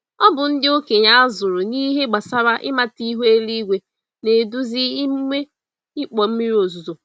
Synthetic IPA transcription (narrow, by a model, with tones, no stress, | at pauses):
ɔ˦bʊ˨n̩˦dɪ˦o˦ke˨ɲa˦a˦zʊ˨ɾʊ˨ni˦ɦe˦ɡ͡ba˨sa˦ɾa˦ʔɪ̰˦ma˦ti˦ɦu˦e˦li˦ɡʷe˨ | ne˨du˦zi˦i˦m˦me˦ | ɪ˦k͡pɔ˨m̩˦mi˦ɾi˦o˨zu˨zo˨